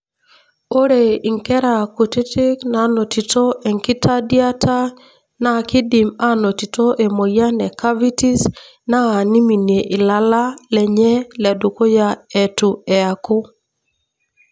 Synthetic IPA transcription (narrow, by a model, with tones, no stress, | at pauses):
o˦ɾe˨i˨ŋkɛ˦ɾa˨ku˨ti˦tɪ˦kna˨˦no˨ti˨to˦ɛ˨ŋki˦ta˦dja˦tʰa˦ | na˨kɪ˦di˨ma˦no˨ti˨to˦ʔe˨mo˨ja˦nɛ˨ka˦vi˦ti˦s | naː˦˨ni˦mi˨nje˨ʔɪ˨la˦la˦lɛ˨ɲɛ˦lɛ˨du˨ko˦ja˨e˨tu˨ɛ˨a˨ko˦